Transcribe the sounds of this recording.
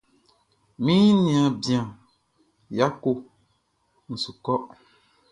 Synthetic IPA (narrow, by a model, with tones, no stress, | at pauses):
mĩ˦nĩ˨ã˨bi˨ã˨ | ja˦ko˦˨ | n̩˨su˨kɔ˦ʔ